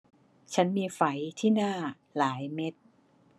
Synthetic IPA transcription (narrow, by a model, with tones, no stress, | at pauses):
t͡ɕʰa˦˥nmiː˧fa˩˦jt̪ʰiː˥˩naː˥˩ | laː˩˦jme˦˥t̪̚